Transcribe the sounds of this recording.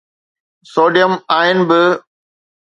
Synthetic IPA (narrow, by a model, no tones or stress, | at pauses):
soːɖjəmaːɪnɪ̆bɪ